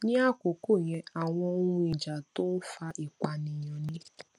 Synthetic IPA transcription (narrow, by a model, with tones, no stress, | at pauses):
nĩ˦a˦ko˨ko˦˨j̃ɛ̃˧a˨w̃ɔ̃˧˦ũ˦i˨d͡ʒa˨to˦fa˧ʔi˨kʷa˨nĩ˨jɔ̃˨nĩ˦